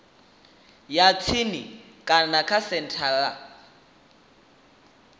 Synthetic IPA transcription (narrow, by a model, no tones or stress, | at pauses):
jat͡sʰini | kʼanakʰasɛntʰaɺa